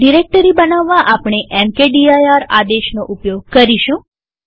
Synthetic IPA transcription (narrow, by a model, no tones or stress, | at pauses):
ɖiɾek̚ʈəɾibənaʋːaʔapɳ̃eʔɛmkeɖiajaɾad̪eʃnoʔupjoɡ̚kəɾiʃũ